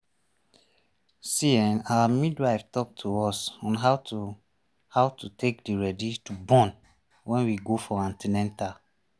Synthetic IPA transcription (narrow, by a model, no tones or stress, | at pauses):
siɛ̃nawamidwaɪftɔk̚tʰuɔsɔ̃nɦat | hawtutʰek̚diɹɛditubɔ̃n | wɛ̃nwiɡofɔãntʰinɛ̃nta